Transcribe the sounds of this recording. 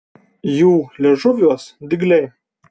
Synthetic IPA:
juːlʲɛʒʊʋʲuɔsd̪ʲɪɡlʲɛɪ

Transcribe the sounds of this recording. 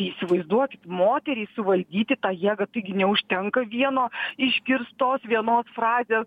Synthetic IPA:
isʲɪʋɐɪzd̪uɔkʲɪt̪moːt̪ʲɛɾʲiːsʊʋɐlʲd̪ʲiːt̪ʲɪt̪ɑːjiɛɡɐt̪ɐɪɡʲɪnʲɛʊʃʲt̪ʲɛŋkɐʋʲiɛnoːɪʃʲkʲɪɾst̪oːsʋʲiɛnoːsfɾrɑːzʲeːs

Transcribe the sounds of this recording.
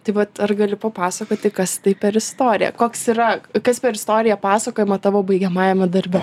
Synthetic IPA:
t̪ɐɪʋɐt̪ɐrɡɐlʲɪpɐpɑːsɐkoːt̪ʲɪkɐst̪ɐɪpʲɛɾɪst̪oːɾʲɪjɛ̰koːksiɾɐkɐspʲɛɾɪst̪oːɾʲɪjɛpɑːsɐkoːjɛmɐt̪ɑʋoːbɐɪɡʲɛmɑːjɛmʲɛd̪ɐɾʲbʲɛ

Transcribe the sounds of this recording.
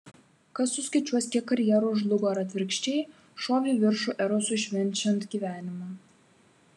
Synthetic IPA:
kɐsːʊsʲkʲɪt͡ʃʲuɔsʲkʲɛkɐɾʲjɛɾoʒlˠʊɡoɾɐt̪ʲʋʲɪɾʲkʃʲt͡ʃʲej | ʃoːʋʲiʋʲɪɾʃuʔɛɾosuʃʲʋʲɛnʲt͡ʃʲɛnt̪ɡʲiːʋʲæːnʲɪmɐ

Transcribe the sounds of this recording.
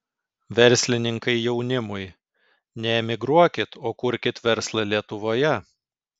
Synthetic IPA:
ʋʲɛɾʲˑsʲlʲɪnʲɪŋkɐɪjɛʊnʲɪmʊj | nʲɛɛmʲɪɡɾuɔkʲɪt̪oːkʊɾʲkʲɪt̪ʋʲɛɾslˠɐlʲiɛt̪ʊʋoːjɛ

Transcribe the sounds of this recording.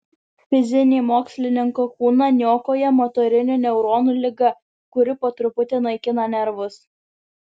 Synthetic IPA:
fʲɪzʲɪnʲeːmoːksʲlʲɪnʲɪŋkokuːnɐnʲjoːkoːjɛmot̪ɔːɾʲɪnʲunʲɛʊɾoːnuːlʲɪɡɐ | kʊɾʲɪpoːt̪ɾʊpʊt̪ʲeːnɐɪkʲɪnɐnʲɛɾʋʊs

